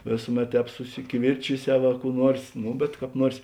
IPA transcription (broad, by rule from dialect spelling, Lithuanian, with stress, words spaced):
ˈʋʲeːsʊˌmʲɛt ˈtʲɛːp sʊsʲɪkʲɪˈʋʲɪrʲt͡ʃʲɪˌsʲɛʊ ɐ kuː ˈnuɔrs ˈnʊ bʲɛt kɑːp ˈnuɔrs